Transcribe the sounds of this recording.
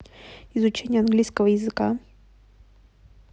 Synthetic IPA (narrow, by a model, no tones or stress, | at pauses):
ɪzʊt͡ɕenʲɪjəɐnɡlʲijskəvəjɪzɨka